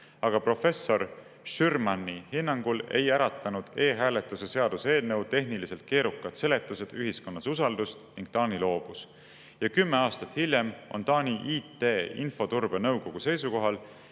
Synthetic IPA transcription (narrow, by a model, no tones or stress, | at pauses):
ɑɡ̥ɑpro̞fe̞so̞r | ʃyrmɑnːihinːɑŋɡ̥ule̞̰jæɾɑt̪ːˑɑnud̪̥e̞ːɦæːle̞t̪ːˑusese̞ɑd̪̥use̞ːlne̞wt̪e̞ɦnilise̞lt̪̚ke̞ːɾukːˑɑd̪̥se̞le̞t̪ːˑuse̞d̪̥yɦisko̞nːɑsusɑld̪̥ust̪niŋɡ̥̚t̪ɑːnilo̞ːb̥us | jɑkymːe̞ɑːst̪ɑt̪hilʲjemo̞̰nt̪ɑːniʔiːt̪ːeːḭnfo̞t̪urb̥e̞nɤwko̞ɡ̥use̞jsuko̞ɦɑl